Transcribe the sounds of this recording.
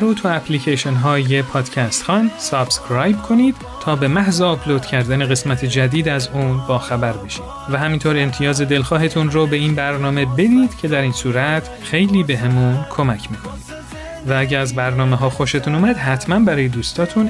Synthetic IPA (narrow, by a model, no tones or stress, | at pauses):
ɾot̪ʰuæpʰliːcʰeʃonɦɒːjepʰɒːd̪̥cʰæst̪xɒnd̪sɒb̥skʰɾɑːjbkʰo̞niːd̪̥ | t̪ʰːɒːbe̞mæhzeɒpʰloːd̪̥cʰæɾd̪æneɣe̞smæt̪ʰe̞d͡ʒæd̪iːd̪æzuːnbɒːxæbæɾbe̞ʃiːd̪̥væɦæmint̪ʰoɾe̞mt̪ʰijɒːze̞d̪e̞lxɒːɦe̞t̪ʰunɾobe̞iːnbæɾnɒːme̞be̞d̪iːd̪̥cʰe̞d̪æɾiːnsuːɾæt̪ʰ | xe̞jliːbe̞ɦemunkʰo̞mæcʰmiːkʰoniːd̪̥ | vææɟæɾæzbæɾnɒːmeɦɒːxo̞ʃe̞t̪ʰunuːmæd̪ɦæt̪ʰmænbæɾɒːje̞d̪uːst̪ʰɒːt̪ʰun